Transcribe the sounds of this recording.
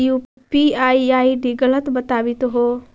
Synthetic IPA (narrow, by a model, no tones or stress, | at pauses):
ju | piaːiaːiɖiɡələt̪bɐt̪aːʋit̪oɦoː